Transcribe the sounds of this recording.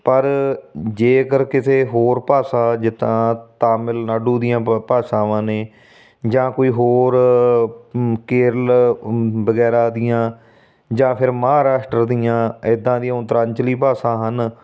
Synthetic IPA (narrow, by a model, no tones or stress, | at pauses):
pəɾd͡ʒeːkəɾkɪseːɦoːɾpaːsãːd͡ʒɪt̪ãːt̪aːmɪlnaːɖuːd̪ijãːpaːsãːʋãːneː | d͡ʒãːkoːiːɦoːɾ | keːɾəl | bəɡɛːɾaːd̪ɪjãː | d͡ʒãːpʰɪɾməɦaːɾaːʃʈɾəɾd̪ijãːɪd̪ãːd̪ijãːʊt̪əɾãɲt͡ʃliːpaːsãːɦən